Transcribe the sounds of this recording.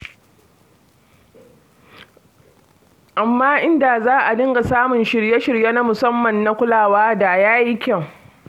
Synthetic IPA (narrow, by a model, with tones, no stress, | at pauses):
ʔa˨mːaː˦ʔɪ˦nda˨zaː˦ʔa˨dɪ˦ŋɡa˨saː˦mʊ˨nʃɪ˨ɽje˦ʃɪ˨ɽje˦na˦mʊ˨sɐ˦mːɐ˨nːa˦kʷʊ˦laː˨waː˦da˨jaː˦ji˦kʲɐ˦˨ŋ